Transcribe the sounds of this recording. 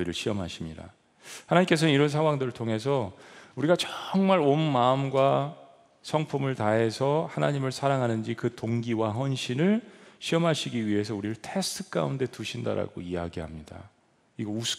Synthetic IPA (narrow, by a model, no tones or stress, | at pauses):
ɯɾɯɭɕʰiʌmɦaɕʰimɲida̰ | hanaɲimk͈e̞sʰʌnniɾʌnsʰaŋwaŋdɯɾɯɭtʰoŋe̞sʰʌuɾiɡat͡ɕʌŋmaɾonmaɯmɡwa | sʰʌŋpʰumɯɭtaɦe̞sʰʌhanaɲimɯɭsʰaɾaŋɦanɯnd͡ʑikɯtoŋɡiwaɦʌnɕʰinɯɭɕʰiʌmɦaɕʰiɡiɥiɦe̞s̬ʰʌuɾiɾɯɭtʰe̞stʰɯ̥k͈a̰unde̞tuɕʰinda̰ɾa̰ɡo̰ijaɡiɦamɲida̰ | iɡʌus